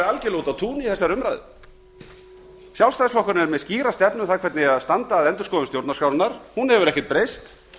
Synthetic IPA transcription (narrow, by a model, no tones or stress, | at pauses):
ɾalcɪloːwt̪aðt̪ʰuːniθɛsːaɾʏmɾajðɪ̰ | sjawlst̪ajsflɔhkaɾnɛɾmɛðsciːɾast̪ɛpnʏθaðkʰvɛɾt̪nɪaðst̪ant̪aːðɛnt̪ʏɾ̥skɔːðʏnst̪jowɾt̪naskawɾnaɾ̥hunhɛvʏɾɛhcɪt̪̚pɾejst̪